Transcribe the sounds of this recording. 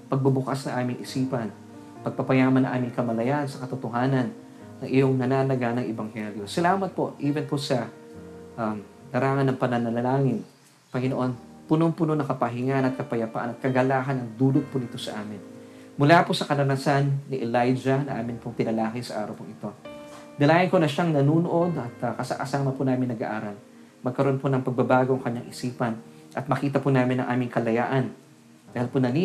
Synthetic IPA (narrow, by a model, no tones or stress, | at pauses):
pɐɡ̚bɐbʊkasnɐŋʔaːmɪŋʔɪsiːpɐn | pɐɡ̚pɐpɐjaːmɐnɐŋʔa̰ːmɪŋkɐmɐlɐjansɐkɐt̪ʊt̪oɦaːnɐnː | ɐŋʔɪjo̞ŋnɐnalɐɡanɐŋʔɛbɐŋhɛljo̞sɐlaːmɐt̪̚po̞̰ʔʔiːbɛnposɐ | ʔɐm | d̪ɐɾaːŋɐnːɐŋpɐnɐnɐlɐlaːŋɪn | pɐŋɪnoʔo̞n | pʊnoŋpʊnonɐkɐpɐɦɪŋanɐt̪̚kɐpɐjɐpa̰ʔɐ̰nɐt̪̚kɐɡɐlaːɦɐnɐŋd̪uːlot̪̚pʊnɪt̪o̞sɐʔaːmɪn | mʊlaposɐkɐɾɐnɐsanːɪʔɛlajd͡ʒɐnɐ̰ʔaːmɪnpʊŋt̪ɪnɐlaːɦɪsɐʔa̰ːɾɐwpʊŋʔɪt̪o̞ | d̪ɐlaːjɪnkonɐʃaŋnɐnuːnoʔo̞d̪ɐt̪ɐkɐsa̰ʔɐsaːmɐpʊnaːmɪnɐɡa̰ʔaːɾɐl | mɐɡ̚kɐɾo̞nponɐŋpɐɡ̚bɐbaːɡoʔɐŋkɐɲaŋʔɪsiːpɐn | ʔɐt̪̚mɐkiːt̪̬ɐpʊnaːmɪnɐ̰ŋʔaːmɪŋkɐlɐja̰ːʔɐn | d̪aːhiɪlpʊnɐni